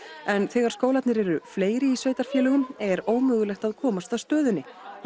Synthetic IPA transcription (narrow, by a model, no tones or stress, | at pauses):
ɛnθɛːɣaɾ̥skoːwlat̪nɪɾɛɾʏfleːjɾɪisvœːɥjt̪aɾ̥fjɛːlʏɣʏmɛɾoːwmœːɣʏlɛxt̪aðkʰɔːmast̪aðst̪œːðʏnːɪ